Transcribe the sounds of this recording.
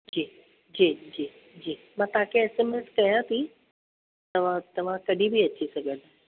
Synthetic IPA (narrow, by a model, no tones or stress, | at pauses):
d͡ʑiː | d͡ʑiːd͡ʑiː | d͡ʑiː | mãt̪ãːkʰeɛsemẽnskɐjãt̪ʰi | t̪ɐʋ̤ãt̪ɐʋ̤ãkɐɖʱibʱiɐt͡ɕisɐɡʱəd̪